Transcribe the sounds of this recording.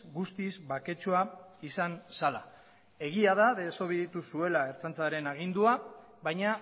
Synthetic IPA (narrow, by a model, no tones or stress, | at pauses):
ɡust̪izbake̞t͡ʃuaisansala̰ | e̞ɣ̞iaðaðe̞soβeðit̪usue̞lae̞ɾt͡sant͡saɾe̞naɣ̞ind̪ua | βajɲa